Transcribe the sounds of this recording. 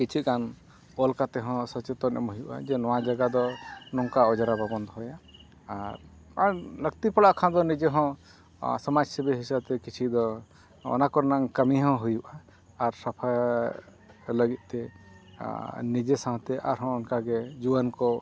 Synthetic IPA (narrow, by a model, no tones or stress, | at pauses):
kit͡ʃʰikan | ɔlkat̪ɛɦɔ̃sɔt͡ʃɛt̪ɔɾɛ̰mɦujuʔa̰d͡ʒɛnɔwãd͡ʒaɡad̪ɔnɔŋkaɔd͡ʒaɾababɔnd̪ɔɦɔjaː | ɾ | aləɡt̪ipɔɽaʔkʰãd̪ɔnid͡ʒeɦɔ̃ | sɔmad͡ʒsɛbɛɦisəb̚t̪ɛkit͡ʃʰid̪ɔ | ɔ̰nakɔɾnaŋkəmiɦɔ̃ɦujuʔaː | ɾsapʰa | ləɡit̪̚ˀt̪ɛ | nid͡ʒesãɦt̪ɛʔa̰ɾɦɔ̃ɔnkaɡɛd͡ʒuwankɔ